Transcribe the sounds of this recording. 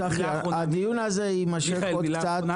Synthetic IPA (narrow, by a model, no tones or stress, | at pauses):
aχeɾ | ad̪ijunazeimaʃekokt͡sat